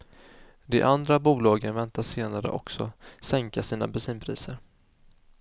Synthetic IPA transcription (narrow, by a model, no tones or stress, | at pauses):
d̪ɛ̰ʔand̪ɾabuːlɑːɡənvɛnt̪aseːnaɾə̰ʔɔksɔ̰sɛŋkasiːna̰bɛsiːnpʰɾiːsəɾ